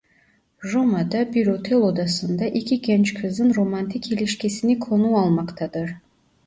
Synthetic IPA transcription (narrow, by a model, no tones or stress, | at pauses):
ʒomad̪ɑbiɾot̪ʰelˠod̪ɑsɨnd̪ɑʔekʲʰikʲʰent͡ʃkʰɨzd̪ɨnromant̪ʰikʰeliʃkʲesinikʰlˠonuɑlˠmɑqt̪ɑd̪ɨɾ